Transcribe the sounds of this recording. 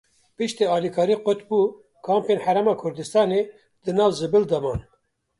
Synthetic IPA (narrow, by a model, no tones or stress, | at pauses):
pɨʃt̪eːɑːlikʰɑːɾiːqot̪buː | kʰɑːmpeːnħæɾɛmɑːkʰʊɾd̪ɨst̪ɑːneː | d̪ɨnɑːvzɨbɨld̪amɑːn